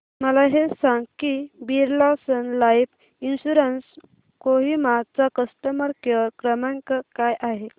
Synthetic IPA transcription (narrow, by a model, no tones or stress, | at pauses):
məlaɦesaŋɡkibiɾlasənlajp | inɕuɾəns | koɦimat͡sakəsʈəməɾkjəɾkɾəmãŋkakajʔaɦe